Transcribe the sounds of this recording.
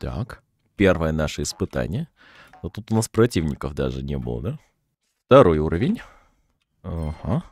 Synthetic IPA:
t̪a̰k | pʲe̞rvəjənaʂəɪspɨt̪a̰nʲɪjə | not̪ut̪ʊnaspɾɐtʲivnʲɪkəfd̪a̰ʐɨnʲebɨ̰lˠə̰d̪a | ft̪ɐɾo̞juɾəvʲɪnʲ | aha

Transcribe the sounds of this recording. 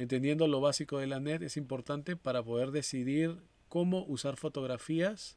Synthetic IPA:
ent̪end̪je̞nd̪o̞lo̞βasiko̞ðe̞lanet̪e̞simpo̞ɾt̪ant̪e̞paɾapo̞ð̞e̞ɾðe̞siðiɾ | ko̞mo̞ʔusaɾfo̞t̪o̞ɣ̞ɾafias

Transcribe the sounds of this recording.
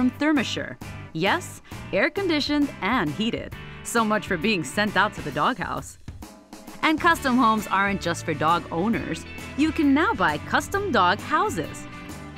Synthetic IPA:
ɹʌ̃mθɜ˞mɨʃə̰˞jɛsɛɹkɨ̃ndɪʃɨ̃ndɨ̃nɦiɾɪ̰d̥soʊmʌt͡ʃfə˞biɪ̃ŋsɛ̃ntaʊtʰɨðɨdɔɡha̰ʊs | ʔɨ̃nkʰʌstə̃mhõʊ̃mzɑɹɨ̃nd̥ʒ̥ʌstfə˞dɔɡõ̰ʊ̃nə̰˞z̥jɨkɨ̃nːaʊbaɪkʰʌstə̃mdɔɡ̚haʊzɪ̰z̥

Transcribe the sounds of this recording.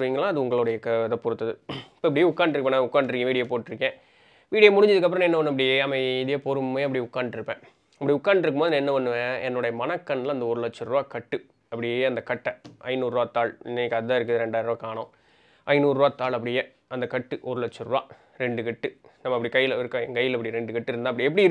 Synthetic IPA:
ʋiːŋɡɐlãːɐðɯʊŋɡɐɭʊɽɐjɐkɐðɐpɔɾɯt̪ːɐðɯɪpːoːɪpɐɽɪjeʊkːaːɳɖʈɾkːpːẽnãʊkːaːɳɖɾɯkːẽːʋiːɽɪjepoːʈːɪɾɯkːẽː | ʋiːɽɪjemʊɽʊɪɲd͡ʒɐðɯkːɐp̬ːɾɐ̃õɛnːɐʋɐnːɯɐp̬ːɐɽɪjeɐmɐɪɪðɐjɐpoɾɯmmːeːɐp̬ːɐɽiʊkːaːɳɖʈɪɾɯpːẽː | ɐpːɐɽiʊkːaːɳɖɪɾɯkːɯmoːðɯnãːɛnːɐʋɐnːɯʋẽɛnːɔɽɐjɐmɐnɐkːɐnːlɐnd̪ɐɔɾɯlɐt͡ʃːɯɾʋaːkɐʈːɯ | ɐpːɐɽɪjeɐnd̪ɐkɐʈːɐʔɐ̰ɪnuːɾːʋaːt̪ːaːɭɪnːɐkːɐðaːɪɾɯkːɯðɯɾɛɳɖaːjɾʋaːkaːɳõ | ʔɐɪnuːɾɯʋaːt̪aːɭɐpːɐɽɪje | ɐnd̪ɐkɐʈːɯʔɔɾɯlɐt͡ʃːɯɾʋaː | ɾɛɳɖɯkɪʈːɯnɐmːɐɪpːɐɽikɐjːɪlɪɾɯkːŋkɐjːɪlɪp̬ːɐɽijɾɛɳɖɯkɐʈːɯɪɾɯnd̪ãːɐpːɐɽɪɛpːɐɽiɾ

